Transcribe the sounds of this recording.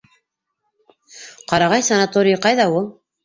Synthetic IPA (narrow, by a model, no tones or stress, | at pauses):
qɑɾɑʁɑjsɐnat̪oɾʲɪjqɑjðɑulˠ